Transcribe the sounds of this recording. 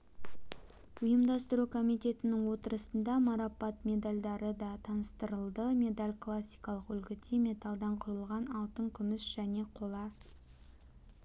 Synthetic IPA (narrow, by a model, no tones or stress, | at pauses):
ʊjəmd̪ɑst̪əɾukʰo̞mijt̪ʲe̞t̪ɪnɪŋwo̞t̪əɾəsənd̪ɑmɑɾɑpɑt̪mʲe̞d̪alʲd̪ɑɾəd̪ɑt̪ʰɑnəst̪əɾəlˠd̪əmʲe̞d̪alʲkʰlˠasʲːijkɑlˠəqʏlɡʲɪt̪ʰemʲe̞t̪ɑlˠd̪ɑɴqʰʊɾəlˠʁɑnɑlˠt̪əŋkʲʰʏmɪsʒ̥æne̞qʰo̞lˠɑ